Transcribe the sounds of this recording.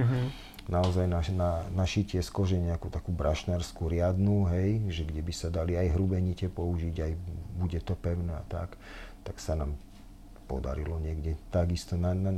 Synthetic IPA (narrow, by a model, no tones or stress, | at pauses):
naɔzajnananaʃicɪɛskɔʒɛɲɛakut̪akuːbɾaʃnaɾskuɾɪad̪nuɦɛjʒɛɡɟɛbisad̪aliajɦɾubɛɲicɛpɔuʒiɟajbuɟɛt̪ɔpɛʊnɛa̰t̪a̰k | t̪aksanaːm | pɔd̪a̰ɾilɔɲɪɛɡɟɛt̪aɡist̪ɔnana